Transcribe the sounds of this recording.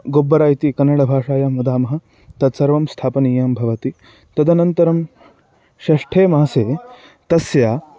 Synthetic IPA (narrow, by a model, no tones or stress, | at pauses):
ɡoːbːɐɾaːjit̪ikɐnːɐɽɐbʱaːʂaːjamud̪aːmɐɦɐ̆ | t̪ɐt̪sɐɾʋɐmst̪ʰaːpɐniːjɐmbʱɐʋɐt̪i | t̪ɐd̪ʱɐnɐnt̪ɐɾɐm | ʃɐʂʈʰeːmɐːɐseː | t̪ɐsjaː